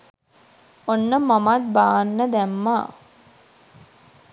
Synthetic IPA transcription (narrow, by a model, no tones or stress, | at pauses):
onːəmamat̪̚baːnːəd̪æmːaː